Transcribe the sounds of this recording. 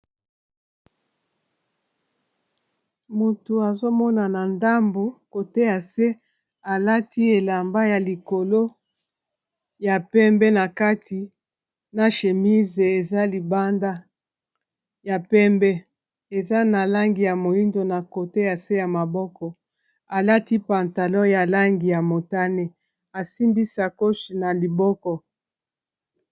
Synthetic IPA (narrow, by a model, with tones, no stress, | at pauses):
mu˨tu˨a˨zo˦mɔ˦na˨na˨nda˦mbo˨ko˨te˦ja˨se˦ | a˨la˦tʰi˦e˨la˨mba˦ja˨li˨ko˨lo˦ | ja˨pɛ˦mbɛ˦na˨ka˦tʰi˨ | na˨ʃe˨mi˦ze˨e˨za˦li˨ba˦nda˦ | ja˨pɛ˦mbɛ˦ | e˨za˦na˨la˦ŋɡi˨ja˨mo˨i˦ndo˨na˨ko˨te˦ja˨se˦ja˨ma˨bɔ˦kɔ˨ | a˨la˦ti˦pa˨nta˨lɔ̃˦ja˨la˦ŋɡi˨ja˨mo˨ta˦ne˦ | a˨si˦mbi˦sa˨ko˦ʃi˨na˨li˨bɔ˦kɔ˦